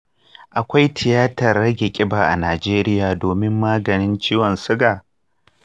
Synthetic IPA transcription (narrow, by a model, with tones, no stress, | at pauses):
ʔa˨kʷa˦jtʰɪ˨jaː˦tɐ˨rːɐ˦ɡʲe˨kʲʼɪ˦baː˨ʔa˨naː˨d͡ʒeː˦ɾɪ˦jaː˨doː˨mɪ˦mːaː˦ɡɐ˨nɪ˦nt͡ʃiː˦wɔ˨nsʊ˦ɡaː˨